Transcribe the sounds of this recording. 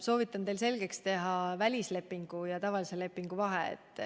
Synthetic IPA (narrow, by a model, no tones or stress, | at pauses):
so̞ːvit̪ːˑɑnt̪e̞jlse̞lɡ̥e̞kst̪e̞ɦɑvælʲisle̞pːˑiŋɡ̥ujɑt̪ɑvɑlise̞le̞pːˑiŋɡ̥uvɑɦeḛt̪ːˑ